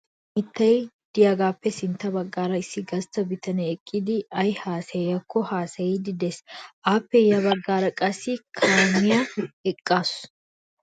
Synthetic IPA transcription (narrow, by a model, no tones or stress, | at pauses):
mɪt̪ːɐj | d̪̥ɪjaːɡaːpːɛsɪnt̪ːɐbɐɡːaːɾɐɪsːɪɡɐst̪ːɐbɪt̪ʰɐnɛːkʼːɪd̪ɪɐjhaːsɐɐkʰːɔhaːsɐjɪd̪ɪd̪ɛsʔaːpːɛjɐbɐɡːaːɾɐkʼɐsɪkʰaːmɪjɐɛkʼːaːs